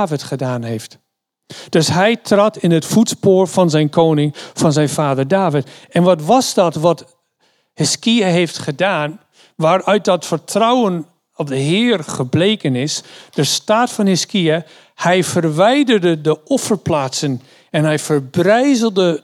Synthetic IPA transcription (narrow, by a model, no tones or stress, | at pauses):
vɪtχədaːnɦejft | d̥ɵsɦɛjtrɑtɪnətfutspoːɹv̥ɑnzɛjnkʰownɪŋfɑnzɛjnvaːdəɹdaːvɪtɛnʋɑtʋɑzdɑtʋɑt | hɪskiaɦejftχədaːn | ʋaːrœɥt̚dɑtfəɹtrʌwən | ɔp̚dəɦɪːrχəblejkənɪsd̥əstaːtfɑnhɪskia | hɛjfəɹʋɛjdərdədəɔfəɹplaːtsən | ɛnɦɛjfəɹbrɛjzəlˠdə